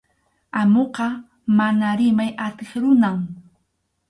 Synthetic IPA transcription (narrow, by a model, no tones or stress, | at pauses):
amoqɑ | manaɾɪmajat̪eχɾʊnaŋ